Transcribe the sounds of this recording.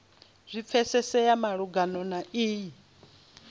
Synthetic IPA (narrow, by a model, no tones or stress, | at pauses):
z̥ʷip̪fʰɛsɛsɛjamaɺuɡanɔnaiːji